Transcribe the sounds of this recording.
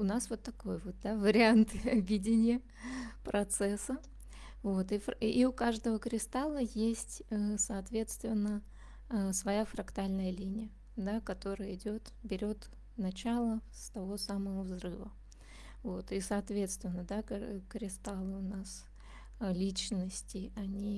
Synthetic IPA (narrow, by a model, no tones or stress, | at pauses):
ʊnasvo̞t̪ːɐko̞jvot̪̚d̪avəɾʲɪant̪ɨɐbʲidʲɪnʲɪjə | pɾɐt̪sɛsə | vo̞t̪ifiʊkaʐd̪əvəkɾʲɪst̪alˠəjesʲtʲəsɐːt̪vʲe̞t̪st̪vʲɪnːə | svɐjafɾɐkt̪alʲnəjəlʲinʲɪjə | d̪akɐt̪o̞ɾəjəɪdʲot̪ | bʲɪɾʲo̞t̪ | nɐt͡ɕalˠəst̪ɐvo̞saməvəvzrɨvə | vo̞t̪isɐɐt̪vʲe̞t̪st̪vʲɪnːəd̪akɾʲɪst̪alˠɨʊnas | lʲit͡ɕnəsʲtʲɪɐnʲi